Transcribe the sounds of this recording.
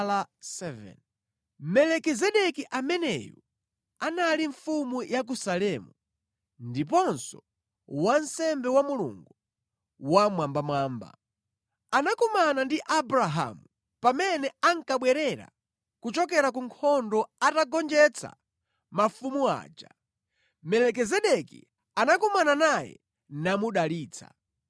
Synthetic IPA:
lasɛvɛ̰n | mɛlɛkizɛɗɛkiʔamɛnɛ̰ju | analiɱfumujʔak̬usalɛmu | ndipɔnsɔ | wansɛmbɛwamulṵŋɡu | wamwambamwaːmba̰ | anakɔmanandiʔabɾaɦa̰mu | pamɛnɛaŋkaɓwɛɾɛɾa̰ | kut͡ʃɔkɛɾakuŋkʰɔndɔataɡɔnd͡ʒɛt͡sʰa̰ | mafumua̰ːd͡ʒa | mɛlɛkɛzɛɗɛkḭ | anakɔmananajɛ̰ | namuɗaliːt͡sʰa̰

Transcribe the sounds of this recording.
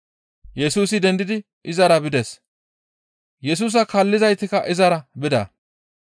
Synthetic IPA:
jɛsuːsɪd̪ɛnd̪ɪd̪ɪ | ʔɪzɐɾɐbɪd̪ɛs | jɛs̬uːs̬ɐkɐlːɪzɐjt̪ːɪkɐʔɪzɐɾɐbɪd̪ɐ̰

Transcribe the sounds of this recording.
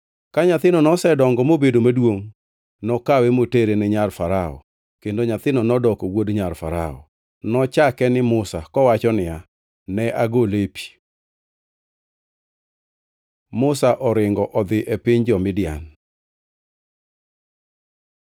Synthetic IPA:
kaɲat̪ɪnɔnɔsɛdɔŋɡɔmobedomadwoŋ | nɔkawemoteɾenɛɲarfaɾaɔ̰ | kendoɲat̪ɪnɔnɔdɔkɔwodɲarfaɾa̰ɔ̰ | nɔt͡ʃakɛnɪmʊsakɔwat͡ʃɔnɪja | nɛʔaɡolepi̥ | mʊsaʔɔɾɪŋɡɔʔɔd̪ɪʔepɪɲd͡ʒɔmɪdɪa̰n

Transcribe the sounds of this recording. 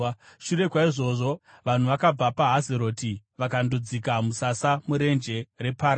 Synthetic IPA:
ʃure̞kwaiʐo̞ʐo̞ | ʋan̤uʋakab͡vapaɦazeɾo̞ːtiʋakandod͡zikamusasamuɾe̞nd͡ʒe̞re̞paɾ

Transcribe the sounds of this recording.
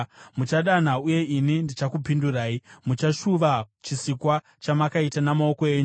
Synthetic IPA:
mut͡ʃaɗan̤auje̞ʔinindit͡ʃakupinduraːimut͡ʃaʃuʋat͡ʃisikwa | t͡ʃamakaitanamao̞ko̞e̞ːɲu

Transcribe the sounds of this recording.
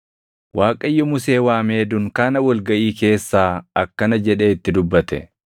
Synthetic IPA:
waːkʼɐjːɔmʊse̞ːwaːme̞ːd̪ʊŋkaːnɐwɐlɡɐʔiːke̞ːsːaːɐkːɐnɐd͡ʒɛᶑe̞ːɪt̪ːɪd̪ʊbːɐt̪ɛ̰

